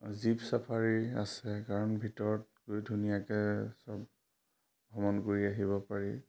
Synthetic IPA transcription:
zipsapʰaɹia̰sɛkaɹɔnbʱitɔɹɔt̚ɡojdʱunijakɛsɔb | bʱɔmɔnkoɹiaɦibɔpaɹi

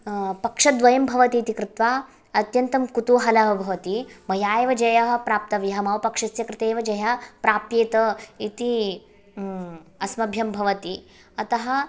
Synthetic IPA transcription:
pɐkʂɐd̪ʋɐjɐmbʱɐʋɐt̪iːt̪ikɾɪt̪ʋaː | ɐt̪jɐnt̪ɐmkut̪uːɦɐlɐɦɐbʱɐʋɐt̪imɐjaːjeʋɐd͡ʒɐjɐɦɐ̆pɾaːp̚t̪ɐʋjɐɦɐmɐʋɐpɐkʂɐsjɐkɾɪt̪eːʋɐd͡ʒɐjɐpɾaːpjeːt̪ɐit̪i | ɐsmɐbʱjɐmbʱɐʋɐt̪i | ɐt̪ɐɦɐ̆

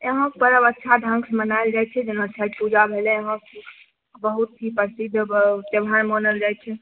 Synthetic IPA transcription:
eɦə̃kpəɾəbətːʃʰad̪ʱə̃ŋkʰsmənaeld͡ʒajt͡ʃʰɛd͡ʒənətːʃʰakpud͡ʒabʱelɛeɦə̃k | bəɦut̪̚ːʰipəsid̪ʱːbt̪ebʱanmənəld͡ʒajt͡ʃʰɛ

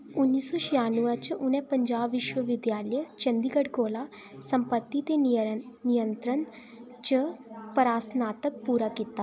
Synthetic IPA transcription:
ʊnːiːsɔːʃɪjaːnuaɾt͡ʃʊnɛ̃ːpəɲd͡ʒaːbʋɪʃwəʋɪd̪jaːlət͡ʃənd̪iːɡəɖkoːlaːsəmpət̪ːit̪enɪjənt̪ɾən | t͡ʃəpəɾaːsnaːt̪ək̚puːɾaːkiːt̪aː

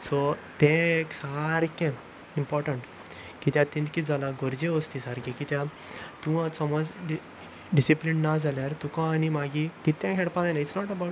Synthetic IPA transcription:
sot̪ɛ̃eksaɾkɛ̃ | impɔɾʈəɳʈ | kit̪jãt̪ĩnt̪kid͡zalaɡɔɾd͡ʑeʋɔst̪isaɾkɛ̃kit̪jã | t̪ũʋat͡sɔmɔd͡zɖ | ɖisiplinːad͡zʱaljaɾt̪ũkãːnimaɡikit̪ːãkʰɛɽpãd̪ajnaisnɔʈəba

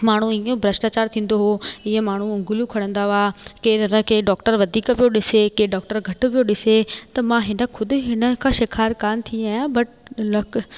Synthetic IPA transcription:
maːɳ̤ũĩõbʱɾəsʈaːt͡ɕaːɾt̪ʰĩːn̆d̪oɦoɪɦemaːɳ̤ũʊ̃ŋɡʊlijũkʰɐɽə̃nd̪aʋaːkeːɾɐnəkʰeːɖɔːkʈəɾʋɐd̪ʱiːkʋijoɗɪsekeːɖɔːk̚ʈəɾɡʱɐʈʋijoɗɪset̪ɐmãɦɪnə̆kʰʊd̪ʊ̆ɦɪnə̆kʰãːʃɪkʰaːɾkaːnt̪ʰiaːjãːbɐʈlɐk

